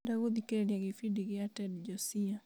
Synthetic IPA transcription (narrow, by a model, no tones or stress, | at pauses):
daɣuðikɛɾɛniaɣifidiɣiatɛdd͡ʒɔsia